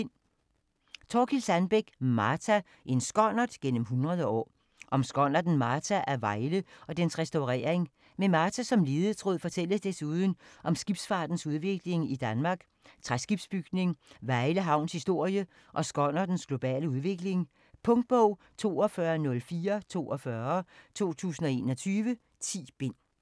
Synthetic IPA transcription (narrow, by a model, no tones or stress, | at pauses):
t͡sʰɒːkʰilsænb̥eɡ̥mɑ̈ːt͡sʰæ | ʔe̝nsɡ̥ɒn̰ɐdˠɡ̥en̰m̩ɦunʁɐð̞ˠəɒ̰ː | ʔɒ̽msɡ̥ɒn̰ɐd̥n̩mɑ̈ːt͡sʰæʔæɐʋɑ̈ɪləɒ̽d̥ensʁɛsd̥ɑʊʁɛ̰ːɐeŋ | memɑ̈ːt͡sʰæsɒ̽mliːð̩ˠt͡sʰʁo̝ðˠfɒt͡sʰel̰əsd̥esuːð̞ˠn̩ʔɒ̽msɡ̥ib̥sfɑ̈ːd̥n̩suð̞ˠʋe̝ɡ̥le̝ŋid̥ænmɑ̈ːɡ̥ | t͡sʰʁasɡ̥ib̥sb̥yɡ̥ne̝ŋʋɑ̈ɪləɦɑ̈ʊ̰nshisd̥o̝ɐ̰jə | ʔɒ̽sɡ̥ɒ̽nɐd̥n̩sɡ̥lo̝b̥ɛ̰ːləuðˠʋe̝ɡ̥le̝ŋ | pʰɔ̽ŋd̥̚b̥ɔʊ̰ | t͡sʰo̝̰ːɒfɶːɐnɔ̽lfiːɐt͡sʰo̝̰ːɒ̽fɶːɐt͡sʰo̝̰ːt͡sʰṵːsn̩ɒ̽e̝ːnɒ̽t͡sʰyːʋə | t͡sʰḭːb̥e̝n̰